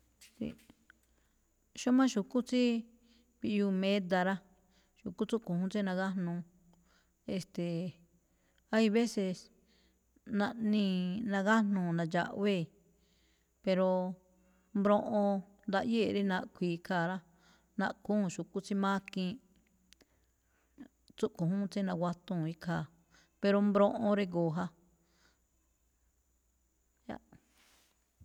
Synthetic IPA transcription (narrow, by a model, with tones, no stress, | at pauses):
sḭ˧ | ʃo˦mã˦ʃu˨ku˦t͡si˦ | βi˧ʔju˧mẽ˦d̪a˧ɾa˦ | ʃu˨ku˦t͡su˦kũ˨hũ˧˦t͡si˦nã˧ɣa˦nũ˧ | e˧st̪e˨ | a˦i˧βe˦se˧ | nã˧nĩ˧nã˧ɣa˦nũ˧nã˨˧d͡ʒa̰˧ʔβe˦˨ | pe˧ɾo˧ | mbɾõ˧ʔõ˧ | nd̪a˧ʔje˦˨˧ɾi˦nã˧ʔkʷiː˨kʰa˧˨ɾa˦ | nã˧ʔkũː˦˨ʃu˨ku˦t͡si˦mã˦kĩ˧ | t͡su˦ʔkõ˨ɦũ˦t͡sĩ˦nã˧ɡwa˧t̪ũ˧˨i˧˦kʰaː˨ | pe˧ɾo˧mbɾõ˧ʔõ˧ɾe˧ɡoː˨ɦa˧ | ja̰˦